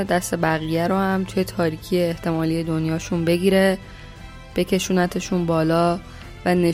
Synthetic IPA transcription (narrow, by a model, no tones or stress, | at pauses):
d̪æst̪e̞bæɣiːjæɾohæmt̪ʰuje̞t̪ʰɒːɾiːcʰijeːht̪ʰe̞mɒːlije̞d̪o̞njɒːʃunbe̞ɡiːɾe̞ | b̥e̞cʰe̞ʃuːnæt̪ʰe̞ʃunbɒːlɒː | væne̞